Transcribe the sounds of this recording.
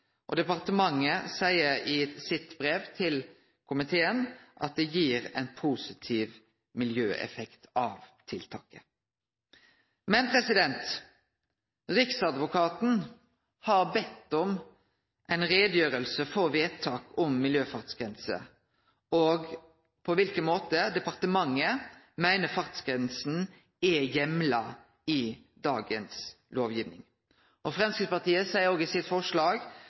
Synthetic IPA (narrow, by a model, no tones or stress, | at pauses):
ʔɔd̪ɛpɑʁt̪əmɑŋːəsæɪəɾɪsɪt̪bɾeːʋt̪ʰɪl | kʰʊmɪt̪ʰeːənʔɑ̰t̪̚d̪ɛjiːʁɛ̰ɪnpʰuːsɪt̪ʰiːʋ | mɪljøːʔɛ̰fɛkt̪ɑʋt̪ʰɪlt̪ʰɑ̰ːkə | mɛnpʰɾɛsɪd̪ɛnt̪ | ɾɪksɑd̪ʋʊkʰɑːt̪n̩ | hɑʁbɛt̪ːɔm | ʔæɪnɾeːd̪jøːɾəlsəfɔɾʋeːt̪ʰɑːkɔmːɪljøːfɑʁt̪sɡ̥ʁɛnsə̰ | ɔːɡ | pʰɔʋɪlkənmoːt̪əd̪ɛpɑʁt̪əmɑŋːə | mæɪnəfɑʁt̪sɡɾɛnsn̩ | ɛjɛmlɑ | ɪ | d̪ɑːɡəns | loːʋjiːʋnɪ̰ŋ | ʔɔfʁɑmnskəpɑʁt̪iːəsæɪəoːɡɪsɪt̪fɔʂlɑːɡ